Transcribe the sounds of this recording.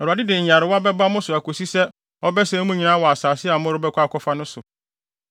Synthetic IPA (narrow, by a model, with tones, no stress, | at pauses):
ɛ˨ɾu˨a˨dɪ˦dɪ˨ɲ˨a˨ɾɪ˨wɔ˦a˦bɛ˦ba˦mʊ̃˦sʊ˨a˨kʰo˨si˦sɛ˦ | ɔ˦bɛ˦sɛ̃˦mũ˦ɲĩ˨nãː˦wɔ˨a˨saː˨sɪ˦a˨mʊ̃˦ɾʊ˦bɛ˦kʰʷa˦˨kʰʷɔ˦fa˦nʊ̃˦sʊ˨